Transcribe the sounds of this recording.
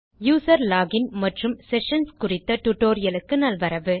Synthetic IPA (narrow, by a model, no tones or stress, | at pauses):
juːsɐɾlaːɡɪnmɐʈrɯmsɛʂɐnskʊrɪt̪ːɐʈʊʈːoːɾɪjɐlɯkːɯnɐlʋɐɾɐʋɯ